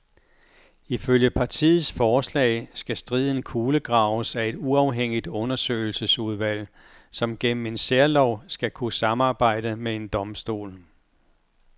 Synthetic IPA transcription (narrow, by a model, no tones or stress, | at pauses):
iføljəpʰɑ̈t͡sʰḭːð̩ˠsfɒːslɛ̰ɪsɡ̥æsd̥ʁið̰ˠn̩kʰuːləɡ̥ʁɑ̈ʊəsæe̝d̥uɑ̈ʊɦeŋ̰id̥ɔ̽nɐsø̰ɪl̩səsuð̞ˠʋæl̰ | sɒ̽mɡ̥en̰m̩e̝nseɐlɒʊ̰sɡ̥ækʰusɑ̈mɑ̈ːb̥ɑ̈ɪ̰d̥əmee̝nd̥ɒ̽msd̥o̝̰ːl